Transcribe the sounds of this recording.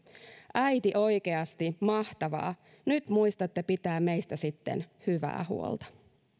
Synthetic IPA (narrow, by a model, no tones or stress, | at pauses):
ʔæjt̪iʔo̞jkeɑst̪imɑht̪ɑʋɑ̰ː | nyt̪muist̪ɑt̪ːepit̪æːmeijst̪æsit̪ːe̞̰nhyʋæ̰ːhṵo̰lt̪ɑ̥